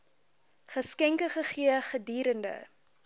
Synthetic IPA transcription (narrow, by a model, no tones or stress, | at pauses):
χəskɛŋkəχəχiəχədiːɾəndə̰